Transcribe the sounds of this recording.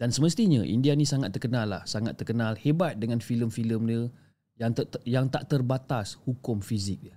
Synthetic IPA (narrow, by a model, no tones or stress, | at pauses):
d̥ansəməst̪iɲaʔḭndianĩsaŋat̪ːərkənãlːa̰hsaŋa̰t̪ːərkənãlhebat̪̚dəŋanfiləmfiləmnə | jaŋjaŋt̪aʔt̪ərbat̪ashukʊmfizɪk̚də